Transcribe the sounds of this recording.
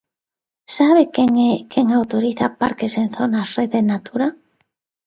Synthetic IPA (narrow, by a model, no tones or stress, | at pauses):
saβekeŋkʰeŋawt̪oɾiθapaɾkesẽnθonasreðenat̪uɾa